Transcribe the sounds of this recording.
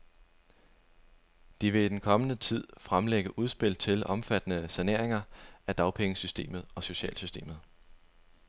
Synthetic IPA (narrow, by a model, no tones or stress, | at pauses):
d̥iʋe̝id̥enkʰɒ̽mənət͡sʰið̞̰ˠfʁamleɡ̥əʔuð̞ˠsb̥e̝l̰t͡sʰe̝lʔɒ̽mfæd̥ənəsæne̝ɐ̰e̝ŋɐæd̥ɑ̈ʊpʰeŋəsysd̥e̝̰ːmð̞̩ˠɒ̽so̝ɕɛ̰ːlsysd̥e̝̰ːmð̩ˠ